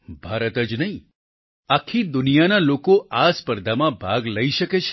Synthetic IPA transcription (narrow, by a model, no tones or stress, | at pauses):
bʱaɾət̪əd͡ʒnəɦĩ | akʰːid̪ʊnijanalokoʔaspəɾd̪ʱamãbʱaɡləiʃəket͡ʃʰ